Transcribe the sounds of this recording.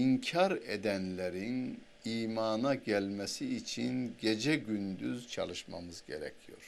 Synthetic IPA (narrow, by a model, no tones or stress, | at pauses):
iɲcʰaɾed̪ænlʲeɾin | iːmaːnaɟælʲmɛsiːt͡ʃʰinɟe̞d͡ʒɛɟynd̪yzt͡ʃʰa̰lˠɯʃma̰mɯzɟeɾɛ̰cʰijo̞̰ɾ̥